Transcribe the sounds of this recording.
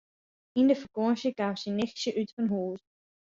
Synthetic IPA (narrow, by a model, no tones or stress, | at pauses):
indəfərkɔnʃjəkaːmsinɪxsjəʔytfɔnɦuːl